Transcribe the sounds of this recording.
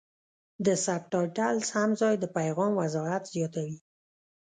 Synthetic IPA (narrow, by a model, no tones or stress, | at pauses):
d̪əsap̚ʈɑjʈalshamzɑjd̪əpajɣɑmwazɔat̪z̥jɑt̪awi